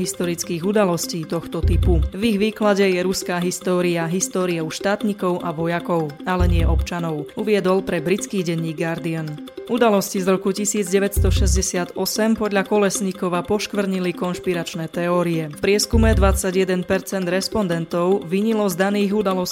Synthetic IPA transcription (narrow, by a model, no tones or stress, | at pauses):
ɦist̪ɔɾit͡skiːɣud̪alɔsciːt̪ɔxt̪ɔt̪ipuviɣʋiːklaɟɛjɛɾuskaːɦist̪ɔːɾiaɦist̪ɔːɾiɔʊʃt̪aːt̪ɲikɔʊʔaʋɔjakɔʊalɛɲɪɛʔɔpt͡ʃanɔʊuʋɪɛd̪ɔlpɾɛbɾit͡skiːɟɛɲːiːɡːaɾd̪ian | ʔud̪alɔscizɾɔkucisiːd͡zɟɛʋɛtst̪ɔʃɛzɟɛsɪad̪ɔsɛmpɔd̪ʎakɔlɛsɲikɔʋapɔʃkʋr̩ɲilikɔnʃpiɾat͡ʃnɛːt̪ɛɔːɾiɛfpɾɪɛskumɛd̪ʋat͡saɟjɛd̪ɛnpɛɾt͡sɛnd̪ɾɛspɔnd̪ɛnt̪ɔʊʋiɲilɔzd̪aniːɣud̪alɔs